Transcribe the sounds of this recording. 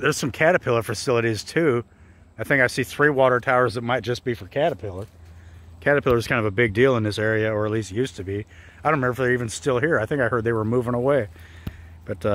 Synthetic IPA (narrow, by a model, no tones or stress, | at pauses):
ðə˞z̥sʌ̃mkʰæɾɨpʰɪlˠə˞fəsɪlˠəɾiz̥tʰʉ | aɪθɪ̃ŋkaɪsiθɹiwɔɾə˞tʰaʊə˞zðɨt̚maɪt̚d̥ʒ̥ʌsb̥ifə˞kʰæɾəpʰɪlˠə˞kʰæɾɨpʰɪlˠə˞z̥kʰãɪ̃ndvəbɪɡ̚dilˠə̃nðɪsɛɹiɨə˞ɨtˡlist̚jʉstʰɨbi | aɪdõʊ̃nmɛɹəfðə˞ivɨ̃nstɪlˠɦiɹaɪθɪ̃ŋkaɪhɜ˞d̪̚ðeɪwə˞muvɪ̃ŋəweɪ | b̥ʌt